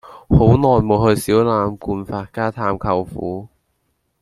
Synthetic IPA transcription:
ho˨˥wnɔː˨˩jmo˨˧whɵ˧jsiː˨˥wlaː˨˧˥mkuː˧nfaː˧t̚kaː˥t̪ʰaː˧mkʰɐ˧wfṵː˨˥

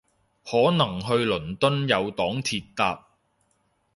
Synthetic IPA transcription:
hɔː˨˥nɐ˨˩ŋɦɵ˧ɥlɵ˨˩nt̪ɵ˥njɐ˨˧wt̪ɔː˨˥ŋt̪ʰiː˧t̚t̪aː˧p̚

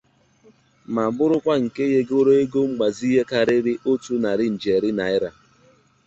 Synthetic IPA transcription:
ma˨bʊ˦ɾʊ˦kʷa˦ŋ̩˨ke˦je˦ɡo˦ɾo˦e˦ɡo˦ŋ͡m̩˦ɡ͡ba˨zɦe˦ka˨ɾɪ˦ɾɪ˦ʔo˦tu˦na˨ɾɪ˦n̩˨d͡ʒe˨ɾɪ˦na˨ɪ˦ɾa˦

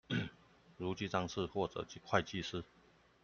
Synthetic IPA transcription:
ɻu˧˥t͡ɕi˥˧t͡sɑ˥˧ŋʂɻ̩˥˧xwɔ˥˩ʈ͡ʂɤ̰˨˩˥kʰwa˥˧ɪt͡ɕi˥˧ʂɹ̩˥

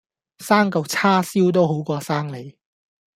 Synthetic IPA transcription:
saː˥ŋkɐ˨˧wt͡sʰaː˥siː˥wt̪̬o˥wɦo˨˥wkɔː˧saː˥ŋle˨˥j

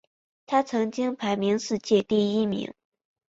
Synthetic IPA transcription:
t̪ʰa˥t͡sʰɤ˧˥ŋt͡ɕi˥ŋpʰa˧˥ɪmi˧˥ŋʂɹ̩˥˧t͡ɕjɛ˥˧t̪i˥˩i˥mḭ˧˥ŋ

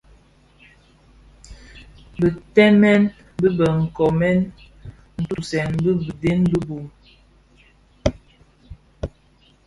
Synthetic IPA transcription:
bə˨tɛ˦mɛ˦n | bə˦bə˨ŋ̩˨kɔ˨mɛ˦n | n̩˨tu˦sɛ˨nbə˦bə˨de˦nbə˦bu˨m

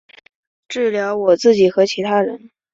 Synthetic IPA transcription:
ʈ͡ʂɻ̩˥˩ljɑ˧˥ʊwɔ˨˩t͡sɹ̩˥˩t͡ɕi˨˩xɤ˧˥t͡ɕʰi˧˥t̪ʰa˥ɻə̰˧˥n

